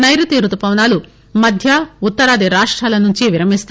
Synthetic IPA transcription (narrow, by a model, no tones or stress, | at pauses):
nɐjɾut̪iːɾut̪upɐʋnaːlu | mɐd̪ʱjɐut̪ːɐɾaːd̪iɾaːʂʈɾaːlɐnuɲt͡ʃiʋiɾɐmist̪ː